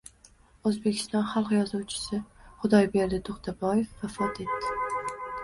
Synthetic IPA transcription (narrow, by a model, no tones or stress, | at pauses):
ozbe̞kʲʰɪ̥st̪ɒnχɑlˠqjɒzuwt͡ʃʰɪ̥sɪχʊd̪ɒjbe̞ɾd̪ɪt̪ʰoqt̪ʰabɒjefvafɒt̪ʰe̞t̪ːɪ